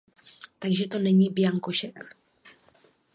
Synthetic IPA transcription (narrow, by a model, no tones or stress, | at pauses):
t̪aɡʒɛt̪o̞nɛɲiːbjaŋkoʃɛk